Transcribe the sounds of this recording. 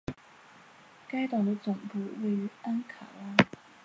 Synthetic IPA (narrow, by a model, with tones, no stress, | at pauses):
ka˥ɪt̪ɑ˨˩ŋd̪ə˦t͡sʊ˨˩ŋpu˥˧we˥˩ɪy˧˥a˥nkʰa̰˨˩la˥